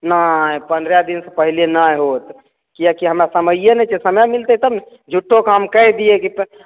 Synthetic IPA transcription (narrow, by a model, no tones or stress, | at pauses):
najpənd̪ɾjad̪insəpəɦilenajɦot̪ | kijakiɦəmɾasəməjjənɛt͡ʃʰɛsəmamilt̪ət̪əm | d͡ʒʱuʈʰːokamkəɦd̪ijekit̪